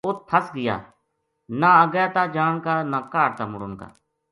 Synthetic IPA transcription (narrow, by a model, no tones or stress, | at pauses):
ʊt̪̚pʰəsɡɪja̰ː | nãəɡjaːt̪aːd͡ʒaːɳkaːnaːkaːɽt̪aːmʊɽʊnka̰ː